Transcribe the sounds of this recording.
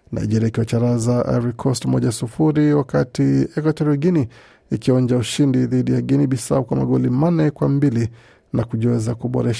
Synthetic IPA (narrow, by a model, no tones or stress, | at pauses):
na̰iʄɛɾaikiwat͡ʃaɾazaʔa̰ɾikʰɔstmɔʄasufuɾiwakatiɛkwatɔɾiɔɡini | ikiɔnd͡ʒauʃindiðiɗijaɡiniɓisaukwama̰ɠɔlimanɛkwambili | nakuʄɔwɛzakuɓɔ̰ɾɛʃḁ